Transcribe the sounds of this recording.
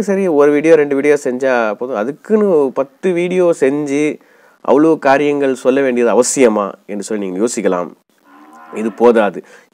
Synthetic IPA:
kːɯsɐɾɪɔɾɯʋiːɽɪjoːɾɛɳɖɯʋiːɽɪjoːsɛɲd͡ʒaːpːoːðɯ̃ɐðɯkːɯnɯpɐt̪ːɯʋiːɽɪjoːsɛɲd͡ʒi | ʔɐ̰ʋɐɭɐʋɐkaːɾɪjɐŋɡɐɭsɔlːɐʋeːɳɖɪjɐðɯɐʋɐsɪjɐmaːɛndrɯsɔlːiniːŋɡɐjoːsɪkːɐla̰ːm | ɪðɯpoːðaːðɯ

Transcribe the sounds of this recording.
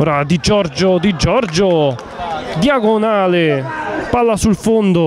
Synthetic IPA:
ɔːɾad̪id͡ʒɔɾd͡ʒʊd̪id͡ʒɔɾd͡ʒʊ | d̪jaɡʊnaːlɪpalːasulfond̪ʊ

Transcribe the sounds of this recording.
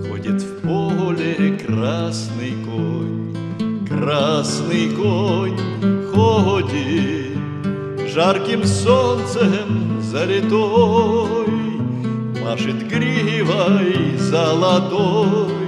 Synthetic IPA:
xɔ̰dʲɐt̪ʲwpɔɦɔlʲɛkrɾɑsnɪjkɔnʲ | krɑsnɪjkɔnʲ | xɔɦɔdʲi | ʒarkɪmsɔnt̪sɛmzɐlʲɪt̪ɔ | j | mɑʃɪt̪ʲkɾʲiɦiʋɑjzɐlˠɐt̪ɔj

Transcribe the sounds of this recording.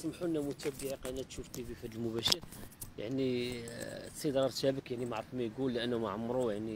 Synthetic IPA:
smħuʔnːæmʊt̪æbiʕiqɑnːæt̪ʃuft̪ibifæd̪əlmʊbæʃəɾjaʕni | sˤid̪ɾˤɑɾt̪æbəkjaʕnimaʕɾˤəfmæjɡulːʔənːumaʕamːɾˤujaʕni

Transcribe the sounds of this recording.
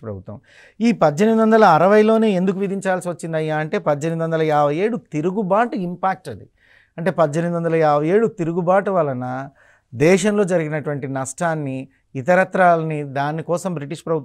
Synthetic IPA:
pɾɐbʱut̪ːɐ̰m | iːpɐdːɐnɐmid̪ʋɐnd̪ɐlɐːɾɐʋɐjlo̞ːne̞ːend̪uk̬uʋid̪ʱiɲt͡ʃaːlsiʋɐt͡ʃːind̪ɐjːaːɐɳʈe̞ːpɐdːɐnɐmid̪ʋɐnd̪ɐlɐjaːbɐje̞ːɽut̪iɾuɡubaːʈuimpaːk̚ʈɐd̪ḭ | ɐɳʈe̞ːpɐdːɐnɐmid̪ʋɐnd̪ɐlɐjaːbɐje̞ːɽut̪iɾuɡubaːʈuʋɐlːɐnɐ | d̪ɛːʃɐnlo̞ːd͡ʒɐɾiɡinɐʈuʋɐɳʈinɐʂʈʰaːnːiː | t̪ɐɾɐt̪ɾaːlɐnid̪aːnːikɔːsɐmbɾiʈiʂpɾɐbʱut̪ː

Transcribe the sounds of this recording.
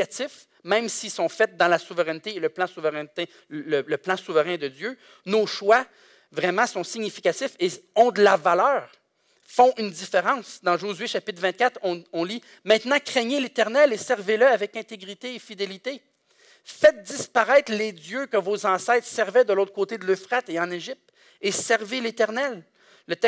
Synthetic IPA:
at̪ɪf | mɛ̃msisɔ̃fɛt̪̚d̪ɑ̃lasuvəʁɛnt̪eːləplɑ̃suvəʁɛ̃t̪e | lələplɑ̃suvəʁɛ̃d̪əd͡z̪jø | noʃwa | vʁɛmɑ̃sɔ̃siɲifi̥kʲat̪ɪfeɔ̃d̪əlavalœːʁ | fɔ̃ʔynd̪ifeʁɑ̃sd̪ɑ̃ʒozɥeʃapɪt̪vɛ̃t̪̚kʲat̪χɔ̃ɔ̃li | mɛ̃t̪nɑ̃kʲχɛɲelet̪ɛʁnɛlesɛʁveləavɛkɛ̃t̪eɡʁit̪eːfid̪elit̪e | fɛt̪̚d̪ispaʁɛɪt̪χledd͡zjøkəvozɑ̃sɛt̪χsɛʁvɛd̪əloʊt̪χəkot̪ed̪əløfχat̪eɑ̃neʒip̚t̪ | esɛʁvelet̪ɛʁnɛlː | ət̪ɛ

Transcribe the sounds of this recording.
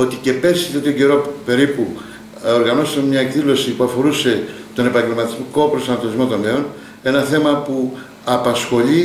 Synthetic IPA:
o̞t̪ice̞pe̞sit̪eot̪it̪oɟe̞ɾope̞ɾipu | o̞ɾɣɐno̞st̪ɐnmɲɐe̞kðilo̞sipuɐfo̞ɾuse̞ | t̪o̞ne̞pɐɲɟe̞lmɐt̪izmiko̞pɾo̞sɐnɐt̪o̞nizmo̞t̪onme̞o̞n | e̞nɐθe̞mɐpu | ɐpɐsxo̞ʎi

